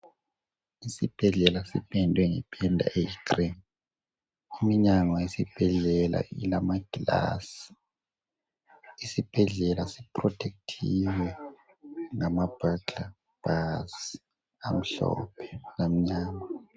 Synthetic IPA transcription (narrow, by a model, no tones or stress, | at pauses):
isib̥ʱɛɮɛlasipʰɛndʱwɛŋɛpʰɛndʱa̰ʔejikrin | imiɲaŋaisib̥ʱɛɮɛla̰ḭlamaɡ̥ʱila̰si̥ | isib̥ʱɛɮɛlasipʰrɔtʰek̚tʰiwɛ | ŋamab̥ʱaɡʱa | b̥ʱas | am̩ɬɔ̰pʰɛ̥lam̩ɲaːŋa